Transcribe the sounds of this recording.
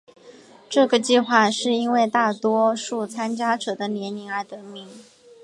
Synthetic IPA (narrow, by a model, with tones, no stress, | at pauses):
ʈ͡ʂɤ˥˩ɡə˩t͡ɕi˥˧xwa˥˧ʂɻ̩˥˩i˥nwe˥˧ɪt̪a˥˩t̪wɔ˥ʂu˥˩t͡sʰa˥nt͡ɕja˥ʈ͡ʂɤ˨˩d̪ə˦njɛ˧˥ni˧˥ŋə˞˧˥t̪ɤ˧˥mi˧˥ŋ